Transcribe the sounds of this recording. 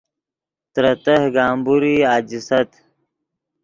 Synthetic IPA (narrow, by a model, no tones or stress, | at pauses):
t̪ɾɐt̪ɐhɡaːmbuɾiaːd͡ʑisɐt̪